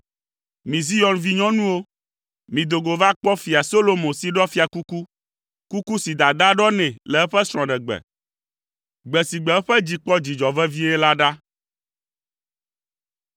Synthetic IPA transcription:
mĩ˨zi˦jɔ˦nvi˦ɲɔ̃˦nũ˦wo˦ | mĩ˨d̪o˨ɡo˨va˦k͡pɔ˦fi˨a˨so˦lo˦mõ˨si˨ɖɔ˦fi˦a˨ku˦ku˦ | ku˦ku˦si˨d̪a˨d̪a˦ɖɔ˦nɛ̃˨lɛ˨ɛ˦ɸɛ˦sɾ̃ɔ̃˨ɖɛ˨ɡ͡bɛ̰˨ | ɡ͡bɛ˨si˨ɡ͡bɛ˨ɛ˦ɸɛ˦d͡ʑi˨k͡pɔ˦d͡ʑi˨d͡ʒɔ˨vɛ˦vi˦ɛ˦la˦ɖa˦

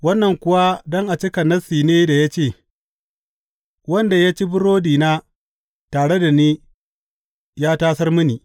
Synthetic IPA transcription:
wɐ˦nːɐ˨ŋkʷʊ˦wa˦dɔ˦ŋʔa˨t͡ʃɪ˦kɐ˨nɐ˦siː˨neː˦da˨ja˦t͡ʃeː˦˨ | wɐ˦nda˨ja˦t͡ʃi˦bʊ˦ɽoː˦diː˨naː˦ | taː˨ɽe˦da˨niː˦ | jaː˦taː˦sɐ˦rmʊ˦niː˨

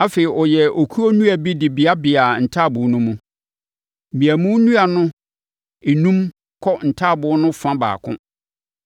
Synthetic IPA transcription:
a˦fe˨i˨ʔɔ˨jɛ˨o˨kʰu˦o˦nũ˦æ˨bi˦dɪ˨bi˨a˦bɪ˨a˨n̩˨tʰaː˦˨bʊ˨˦nũ˦mũ˦˨ | ĩ˨æ˨mũ˦nũ˦a˨nʊ̃˦ | e˨nũ˦m | kʰɔ˦n̩˨tʰa˦˨bʊ˨˦nʊ̃˦fã˦ba̰ː˨kʰʊ̰̃˦

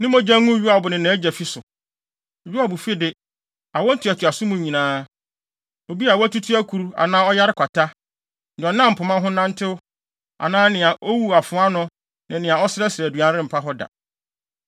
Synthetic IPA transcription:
nɪ̃˦mɔ̃˦d͡ʑã˦ŋʊ̃˦ɥu˦a˨bʊ˨nɪ̃˨nã˨˦d͡ʑæ˨fi˦sʊ˨ | ɥu˦a˦˨bu˨fi˦dɪ˦ | a˨wɔ˦n̩˦tʰʊ˨˦a˨tʰʊ˨a˨sʊ̃˦mʊ̃˨ɲĩ˨nãː˦ | o˨bi˦a˨wæ˦tu˦tʰu˦æ˦kʰu˨ɾu˦a̰˨nãː˦ɔ˦ja˦ɾɪ˦kʷʰa˨tʰa˦˨ | ɔ˨nã˦m̩˨pʰʊ˨mã˦ɦʊ̃˦nã˦n̩˦tʰɪ˦ʊ˦ | a̰˨nãː˦nɪ̃˨a˨ʔo˦wu˦a˨fʊ̃˨˦a˦nʊ̃˦ | nɪ̃˨nɪ̃˨a˨ɔ˦sɪ˦ɾɛ˦sɾæ˨du˨ã˦n˦ɾɪ̃˦m̩˨pʰa˦ɦɔ˦da̰˨

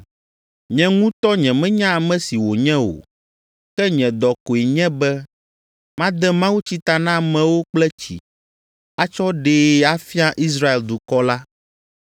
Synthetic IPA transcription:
ɲɛ̃˨ŋũ˦t̪ɔ˦ɲɛ̃˨mɛ̃˦ɲã˦a˨mɛ̃˨si˨wo˨ɲɛ̃˦o̰˨ | kɛ˦ɲɛ̃˨d̪ɔ˨ko˨e˨ɲɛ̃˦bɛ˦ | mã˦d̪ɛ˦mã˦wu˦t͡ɕi˦t̪a˨nã˦mɛ̃˨wo˦k͡plɛ˦t͡ɕḭ˨ | a˦t͡ʃɔ˦ɖeː˨a˦fi˦a˦ʔi˦s̬ɾa˦e˨ld̪u˨kɔ˦la˦

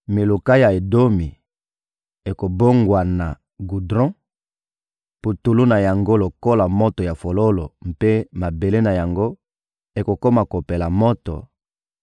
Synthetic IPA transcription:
mi˨lu˨ka˦ja˨e˨do˦mi˨ | e˨ko˨bo˦ŋɡwa˨na˨ | ɡu˨dʁɔ̃˦ | pu˨tu˨lu˦na˨ja˨ŋɡo˦lo˨ko˦la˨mo˦to˨ja˨fo˨lo˦lo˨mpe˦ma˨be˨le˦na˨ja˨ŋɡo˦ | e˨ko˨ko˦ma˨ko˨pe˨la˨mɔ˦tɔ̰˨

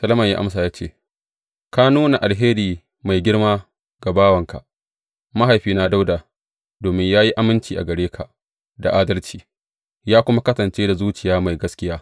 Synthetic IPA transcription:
sɐ˦lɐ˦mɐ˨ɲja̰ː˦ʔa̰˦ms̬aː˨jaː˦t͡ʃeː˦˨ | ka˦nuː˦na˨ʔa˨lɦeː˦ɾiː˨ | ma˨jɡʲɪ˦ɽmaː˦ | ɡa˨baː˦wɐ˨ŋka̰˨ʔ | ma˦ɦa˨jɸiː˦na˦da˦wdaː˨ | doː˨mɪ˦ɲjaː˦ji˦ʔa˦mɪ˦nt͡ʃiː˨ʔa̰˨ɡɐ˨ɽeː˦kʰa˨ | da̰˨ʔaː˦dɐ˦lt͡ʃiː˨ | jaː˦kʷʊ˦ma˦kɐ˦sɐ˨nt͡ʃeː˦da˨zuː˦t͡ʃɪ˨jaː˦ma˨jɡɐ˦skʲɪ˦jaː˦

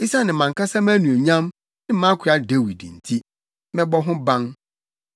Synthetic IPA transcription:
i˦sa˦nɪ̃˨mã˨ŋka˦sã˦mæ̃˦nũ˨o˨ɲã˦m | nɪ̃˦mã˦kʰa˦de˦wi˨dḭ˨n̩˨tʰi˦ | mɛ̃˦bɔ˦ɦʊ̃˦bã˦ŋ

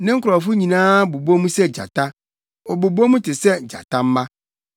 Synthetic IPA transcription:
nɪ̃˦ŋ̩˦kʰʊ˨ɾɔ˨fʊ˦ɲĩ˨nãː˦bu˨bu˦o˦mũ˦sɛ˦d͡ʑa̰˨tʰa˦ | ɔ˨bu˨bu˦o˦mũ˦tʰɪ˨sɛ˦d͡ʑa̰˨tʰã˦m̩˦mã˦

